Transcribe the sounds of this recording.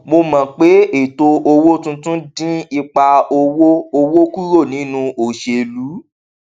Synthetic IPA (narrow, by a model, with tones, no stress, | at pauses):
mo˧mã˨k͡pe˨˦e˦˨to˧o˧wo˦tũ˦tũ˦dĩ˦i˧k͡pa˧o˧wo˦o˧wo˦ku˦ɾo˦˨nĩ˨˦nũ˧o˨ʃe˧˨lu˨˦